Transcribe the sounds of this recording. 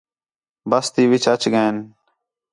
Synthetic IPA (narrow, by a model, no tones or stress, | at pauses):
bəst̪iːʋɪt͡ʃʰət͡ʃɡəen